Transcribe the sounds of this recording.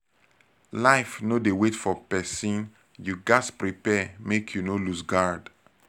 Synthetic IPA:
laɪfnodewetfɔpɛsĩn | juɡaspɹipɛmekʰjunolusɡaɹd

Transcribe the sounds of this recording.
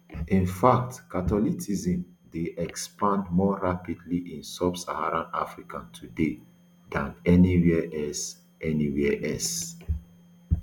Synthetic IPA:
ĩnfak̚tkatɔlitizĩmdeʔɛkspãndmɔɹapidliʔĩnsabsa̰haɹãna̰fɹikãntʰude | dãnɛniwiʔɛs | ɛniwiɛʔɛs

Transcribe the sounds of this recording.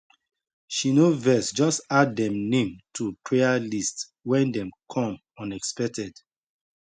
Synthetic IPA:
ʃinovɛsd͡ʒɔstaddɛ̃mnẽmtʰupʰɹealist | wɛ̃ndɛ̃mkʰɔ̃m | ɔ̃nɛkspɛk̚tʰɛd

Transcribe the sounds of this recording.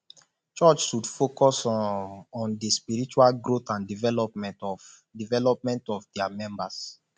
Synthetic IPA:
t͡ʃɔt͡ʃʃudfokɔs | ɔ̃ndispiɹit͡ʃualɡɾotãndivɛlɔpmɛ̃ntɔ | divɛlɔp̚mɛ̃ntɔfdɛamɛ̃mbas

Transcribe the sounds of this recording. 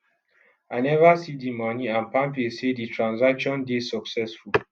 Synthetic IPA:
aɪnɛvasidimɔniãnpãmpiseditʰɹãnzakʃɔ̃ndesɔksɛsful

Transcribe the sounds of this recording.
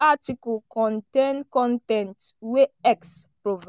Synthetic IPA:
atikɔlkɔ̃ntẽnkɔ̃ntɛ̃ntweɛkspɹov

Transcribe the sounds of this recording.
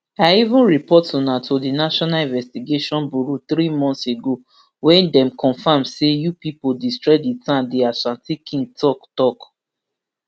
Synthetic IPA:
aivũnɹipɔtɔ̃natʰodinaʃɔnalĩnvɛstiɡeʃɔ̃nbuɹuθɹimɔ̃nseɡo | wɛ̃ndɛ̃mkʰɔ̃nfãmsejupipodistɹɔditãndeasãntikʰĩŋɡ̚tɔktɔk

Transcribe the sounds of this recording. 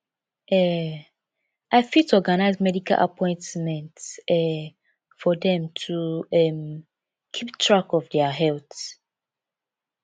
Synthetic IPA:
ɛ | ʔaɪfitʰɔɡanaɪzmɛdikʰa̰lʔa̰pʰɔ̃ɪ̃ntmɛ̃ntɛ | fɔdɛ̃mtʰuɛm | kʰiptʰɹakɔvdɛəɦɛlθ

